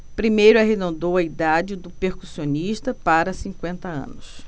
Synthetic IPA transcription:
pɾimejɾʊaɦed̪õnd̪owɐid̪ad͡ʒɪd̪ʊpeɾkusiõniʃt̪ɐpaɾɐsĩŋkwẽnt̪ɐɐ̰̃nʊs

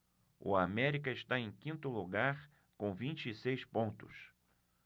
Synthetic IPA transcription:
ʊ̰amɛɾikɐɪʃt̪aẽj̃kĩnt̪ʊluɡaɾ | kõvĩnt͡ʃiːsejspõnt̪ʊs

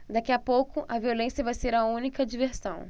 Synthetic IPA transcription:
d̪akiɐpowkʊʔɐviolẽsjɐvajseɾɐũnikɐd͡ʒiveɾsɐ̰̃w̃

